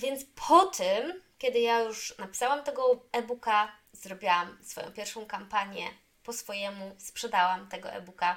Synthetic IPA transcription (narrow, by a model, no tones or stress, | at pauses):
vʲjɛnt̪spʰɔt̪ʰɘmkʲɛd̪ɘjajuʂnapʲi̥sawamt̪ɛɡɔɛbuka | zɾɔbʲjawamsfɔjɔ̰̃w̃pʲjɛɾfʂɔ̃w̃kampaɲjɛ | pɔsfɔjɛmuspʂɛd̪awamt̪ɛɡɔ̰ʔɛ̰buka